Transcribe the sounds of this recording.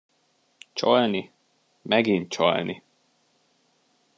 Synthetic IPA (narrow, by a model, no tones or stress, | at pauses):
t͡ʃɒlni | mɛɡint̪t͡ʃɒ̰lni